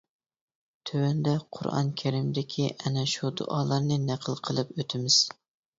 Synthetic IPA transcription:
t̪ʰøwɛnd̪ɛqʰʊ̰ɾɑ̰nkʲʰɛɾɪmd̪ɪkʲʰiʔɛnɛʃud̪ʊ̰ʔɑːlˠɑɾnɨnæqʰəlˠqʰəlˠɨpøt̪ʰɪmɪz̥

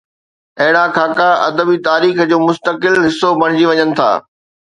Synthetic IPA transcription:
ɐɦɪɽakʰaːkaɐ̰d̪əbit̪aːɾiːxd͡ʑoːmʊst̪əkɪlɦɪsːobɐɽ̃ɪd͡ʑiʋɐɲənɪ̆t̪ʰa̰ː

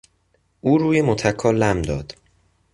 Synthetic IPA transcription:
ʔuːɾuːjemot̪ʰækʰːɒːlæmd̪ɒ̰ːd̪̥

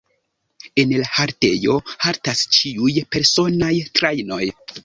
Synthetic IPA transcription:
e̞nlahaɾte̞̰jo̞haɾtast͡ʃiujpe̞ɾso̞najtɾajno̞̰j

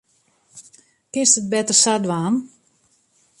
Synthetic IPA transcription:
kɪnstət̚bɛtərsadʋaːn

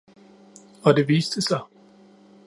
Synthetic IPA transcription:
ɒ̽d̥e̝ʋiːsd̥əsɑ̈ɪ

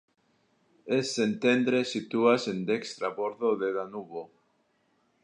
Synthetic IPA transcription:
esent̪end̪ɾesit̪uasend̪ekst̪ɾaβoɾðoðeðanuβo

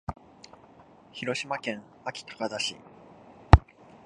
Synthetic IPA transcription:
çiɾo̞ɕimakẽ̞ŋ | akʲi̥t̪ḁkazaɕḭ

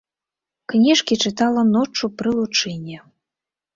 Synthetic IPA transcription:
knʲiʂkʲit͡ʂɨt̪alˠɐnɔt͡ʂːupɾɨlˠut͡ʂɨnʲːɛ

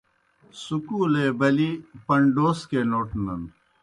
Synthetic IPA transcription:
sukuleːbɐlipɐɳɖoːskenoːʈnɐn

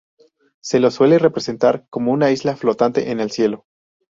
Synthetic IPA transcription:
se̞lo̞swe̞le̞repɾe̞se̞nt̪aɾko̞mo̞unaizlaflo̞t̪ant̪e̞̰ʔene̞lsje̞lo̞

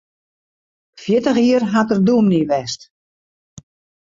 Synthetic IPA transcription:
fjɪtəxiərɦatərdumniʋɛst

